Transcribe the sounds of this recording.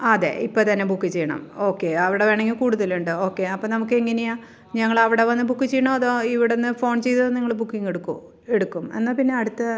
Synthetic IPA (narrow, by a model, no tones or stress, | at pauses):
ɐðe̞̰ipːoːt̪ɐnːebukːit͡ɕejːɐɳɐ̰mo̞ːkːe̞ɐʋiɽe̞ʋeːɳɐŋːɡikuːɽuðɐluɳɖɨo̞ːkːe̞ɐpːonɐmuk̬ːɨeŋːɐnejaː | ɲɐŋːɐɭɐʋiɽe̞ʋɐnːɨbukːit͡ɕːejːɐɳoɐðoːiʋiɽenːɨfo̞ːɳt͡ɕe̞jðɐðoniŋːɐɭbukːiŋːeɽukːu | e̞ɽukːume̞̰nːaːpinːeɐɽut̪ːɨ